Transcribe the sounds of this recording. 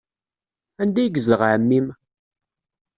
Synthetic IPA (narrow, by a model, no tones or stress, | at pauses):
ænd̪æjəɡzəʁʕəmːim